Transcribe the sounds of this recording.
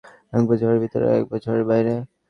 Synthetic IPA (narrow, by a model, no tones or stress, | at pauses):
ɛk̚bɔt͡ʃʰɔɾeɾbʱit̪ɔ̰ɾḛɛ̰k̚bɔt͡ɕʰoɾeɾbajɾe